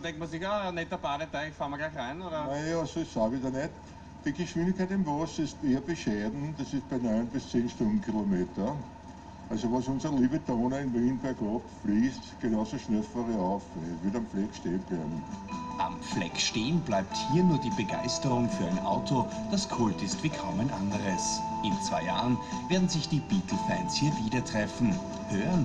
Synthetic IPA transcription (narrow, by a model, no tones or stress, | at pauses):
dɛ̃ŋk̚tmɐsɪçanɛtːɐbaːdətɛɪçfalmɐɡlaɪçæɪnoːɾɐnɛɑsoɪçsaːʋidɐnɛt | d̥iɡɪʃʋĩndɪçkʰæɛɪtɪmvɔsɪsteːɐbɪʃɛːdn̩d̥ɐsɪst̚b̥ɛɪnɔɪnbɪst͡seːnʃtʊ̃ndn̩kʰilomeːtɐ | ʔalsoʋɔsʊ̃nsɐliːbəd̪oːnəɪnviːnbɛɐkɔpfliːstɡ̥enɑʊsoʃnɛlfəʁiaʊfʋɪɐtamflɛkʃteːənb̥læɪbm̩ʔamp͡flɛ̰kʃteːənblaɪp̚thiːɐnuːɐdiːbəɡa̰ɪstəʁʊŋfyːɐaɪnʔa̰ʊtʰod̥askʰʊltɪstv̥iːkʰaʊmæɪnʔa̰ndəʁəsʔɪnt͡sv̥aɪja̰ːʁənveːɐdn̩zɪçd̥iːb̥iːtʰl̩fɛnshiːɐviːdɐtʁ̥ɛfn̩ | høːʁən